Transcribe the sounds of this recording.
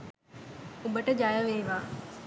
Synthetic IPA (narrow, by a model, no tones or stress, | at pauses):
ubəʈəd͡ʒajəʋeːʋaː